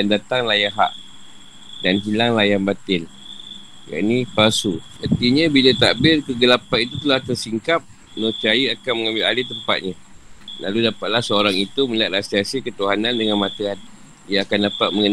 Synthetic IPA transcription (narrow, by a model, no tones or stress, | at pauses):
andat̪aŋlajaɦa̰ʔ | danɦilaŋlajanbat̪ɪl | ja̰ʔnipasu | ənt̪iɲabilət̪aʔbɪlkəɡəlapanit̪ut̪əlaht̪ərsiŋkap̚ | not͡ʃajəakanməŋãmbɪlalɪht̪əmpa̰t̪̚ɲa | la̰ludapat̪̚lahsəoɾaŋit̪uməliat̪̚asiasikət̪uɦanandəŋanmat̪əan | ijaakandapat̪̚məŋən